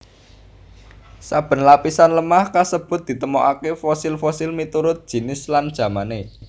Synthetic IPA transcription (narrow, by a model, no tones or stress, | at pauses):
sab̥ə̤nlapisanləmahkasəb̥ʊ̤t̪̚d̪̥i̤t̪əmɔʔakefɔsɪlfɔsɪlmit̪uɾʊt̪̚d̥ʒ̥i̤nɪsland̥ʒ̥ä̤mane